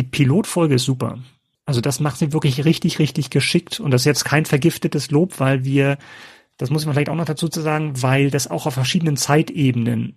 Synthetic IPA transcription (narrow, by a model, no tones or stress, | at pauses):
diːpʰiloːtfɔlɡəɪstz̥uːpɐ̰ | ʔalzod̥asmaχtziːvɪɐklɪçʁɪçtɪçʁɪçtɪçɡ̥əʃɪktʰʊntd̥asɪsjɛt͡stkʰaɪnfɛɐɡɪftətəsloːpv̥aɪlviːɐ | d̥asmʊs̬ɪçmaflaɪçtʔaʊxnɔχd̥at͡suːt͡suːzaːɡŋ̩vaɪldasa̰ʊxaʊfɛɐʃiːdənənt͡saɪtʔeːbənə̰n